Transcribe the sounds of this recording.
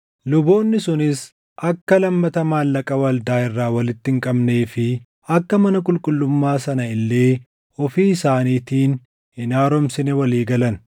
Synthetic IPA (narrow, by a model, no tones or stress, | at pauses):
lʊboːnːɪsʊnɪs | ʔɐkːɐlɐmːɐt̪ɐmaːlːɐkʼɐwɐld̪aːɪrːaːwɐlɪt̪ːɪŋkʼɐbneːfɪ | ɐkːɐmɐnɐkʼʊlkʼʊlːʊmːaːsɐnɐɪlːe̞ː | ɔfiːɪsaːniːt̪iːn | ɪnaːɾɔmsɪnɛwɐliːɡɐlɐn